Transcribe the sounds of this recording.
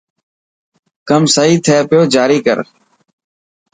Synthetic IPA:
kəmsəːiːt̪ʰɛːpɪjoːd͡ʒaːɾiːkə̰ɾ

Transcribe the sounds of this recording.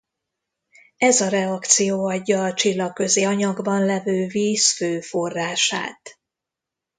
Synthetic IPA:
ɛzɒɾɛɒkt̪sijoːɒɟːɒːt͡ʃilːɒkkːø̞zeːɒɲɒɡbɒnlɛvøːviːsføːfo̞rːaːʃa̰ːt̪

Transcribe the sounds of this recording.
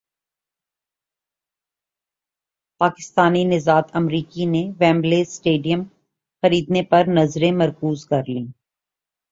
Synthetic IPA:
paːkɪ̥st̪aːninɪzaːt̪ɐmɾiːkineʋɛ̃ːmbleːsʈeːɖijəm | xɐɾiːd̪nepɐɾnɐzɾẽmɐɾkuːzkɐɾlĩː

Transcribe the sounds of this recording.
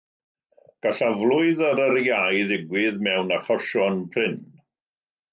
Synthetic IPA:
ɡ̥aɬavlˠʊɨðəɾəɾjajðɪɡwɪðmɛwnaχɔʃɔnpʰrɪn

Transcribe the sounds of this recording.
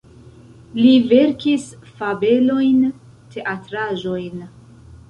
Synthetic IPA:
live̞ɾkisfabe̞lo̞jn | tʰe̞ʔatɾaʒo̞jn

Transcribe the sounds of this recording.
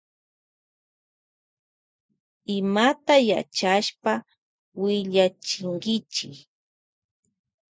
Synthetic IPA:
ɪmat̪aja̰t͡ʃaʃpa | wɪʎat͡ʃɪŋɡɪt͡ʃɪk

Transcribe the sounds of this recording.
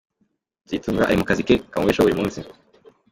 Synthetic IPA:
ziːtuːɡaʔa̰ɾimukazikekauweʃoβuɾimũːnsi

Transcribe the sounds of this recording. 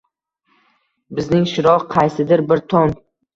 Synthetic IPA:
bɪznɪŋʃɪɾɒʁqʰɑjsɪd̪ɪɾbɪɾt̪ʰɒn

